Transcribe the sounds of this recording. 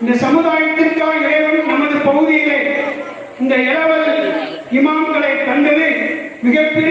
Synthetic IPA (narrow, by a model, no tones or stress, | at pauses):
ɪnd̪ɐsɐmɯðaːjɐt̪ːɪrkːaːlɪɾɐɪʋɐmɯmɐnɡɐðɯpɐɣɯðɪjɪle | ɪnd̪ɐɛlɐʋɐðɪlɪmaːnɡɐɭɐɪt̪ːɐɳɖɐðemɪɣɐpːɪɾ